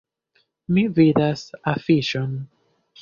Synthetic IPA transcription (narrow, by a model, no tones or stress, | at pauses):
mividasafiʃon